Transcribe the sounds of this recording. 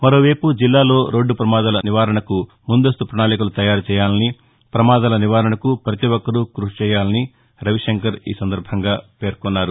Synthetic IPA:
mɐɾo̞ːʋeːpud͡ʒilːaːlo̞ːɾo̞ːɖːupɾɐmaːd̪alɐniʋaːɾɐɳɐku | mund̪ɐs̬t̪upɾɐɳaːlikulut̪ɐjaːɾt͡ʃɛːjaːlɐni | pɾɐmaːd̪aːlɐniʋaːɾɐɳɐkupɾɐt̪iʋɔkːɐɾukɾuʂt͡ʃɛːjaːlɐni | ɾɐʋiʂeŋkɐɾḭːsɐnd̪ɐɾbʱɐŋɡaːpe̞ːɾkɔnːaːɾu

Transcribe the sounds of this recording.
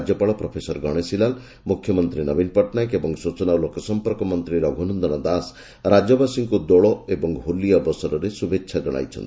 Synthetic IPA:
d͡ʒjɔpaɭɔpɾɔpʰesɔɾɡɔɽ̃esilal | mukʰːjɔmɔnt̪ɾinɔbinpɔʈnajkebɔŋsut͡ʃɔnaulokɔsɔmpɔɾkɔmɔnt̪ɾiɾɔɡʱunɔnd̪ɔñɔd̪as | ɾad͡ʒɔbasiŋkud̪oɭɔebɔŋɦulijabɔsɔɾɔɾesubetʰːʃʰad͡ʒɔɽ̃a̰jt͡ʃʰɔ̰nt̪i̥

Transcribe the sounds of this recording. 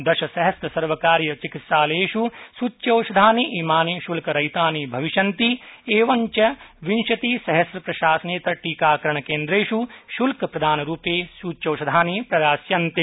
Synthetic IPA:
d̪ɐʃɐsɐɦɐsɾɐsɐɾʋɐkaːɾjɐt͡ʃikit̪ʃaːleːʃusuːt͡ʃːʃɐːʃɐd̪ʱaːniʔiːmaːniʃulkɐɾɐjt̪aːnibʱɐʋiʃɐnt̪ieːʋɐɲt͡ʃɐʋinʃɐt̪isɐɦɐsɾɐpɾɐʃaːsɐneːt̪ɐʈiːkaːkɾɐɳ̃ɐkeːnd̪ɾeːʃuʃulkɐpɾɐd̪ʱaːnɐɾuːpeːsut͡ʃoːʃɐd̪ʱaːnipɾɐɾaːsjɐnt̪e

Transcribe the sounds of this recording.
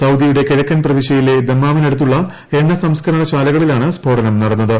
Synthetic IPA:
sɐwd̪ijuɽe̞keɻɐkːɐnprɐʋiɕɐjile̞d̪emːaːʋine̞ɽut̪ːuɭːɐ | e̞ɳːɐsɐmskɐɾɐɳɐt͡ɕaːlɐɣɐɭilaːɳɨsbʱoːɽɐnɐmnɐɽɐnːɐðɨ

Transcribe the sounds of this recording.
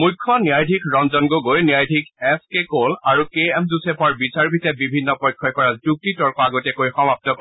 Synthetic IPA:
mujkʰːɔniajdʱikʰɹɔnzɔnɡoɡojniajdʱikʰɛskekolaɹukeɛmzusɛpʰɔɹbisaɹbʱitɛbibʱinːɔpɔjkʰːɔjkɔɹazuk̚titɔɹkɔaɡotɛkojxɔmap̚tɔk

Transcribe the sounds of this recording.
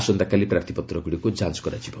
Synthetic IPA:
sɔnd̪akalipɾap̚t̪ʰipɔt̪ɾɔɡuɽikud͡ʒansɔ̥kɔɾat͡ʃʰibɔ

